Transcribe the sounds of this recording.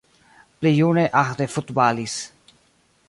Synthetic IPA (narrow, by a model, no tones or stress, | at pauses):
plejuneʔaχd̪efut̪balis